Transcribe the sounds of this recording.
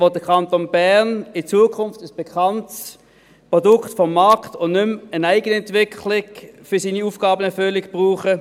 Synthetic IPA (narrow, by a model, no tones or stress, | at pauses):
ʋɔd̥əkʰɑntonbæʁnɪt͡suːəkʰʊnftəsb̥ekʰɑnts | pʁɔdʊktfɔmːɑɐktʊnnʏmənaɪɡənəɛntvɪkʰlɪɡfʏɐsiːniuːfɡ̥ɑːbənɛɐfølɪkb̥ʁuːχə